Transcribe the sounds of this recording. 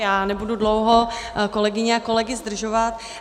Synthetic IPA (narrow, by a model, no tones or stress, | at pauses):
jaːnɛbududlowɦo̞ko̞lɛɡɪɲɛako̞lɛɡɪzd̪r̩ʒo̞vat̪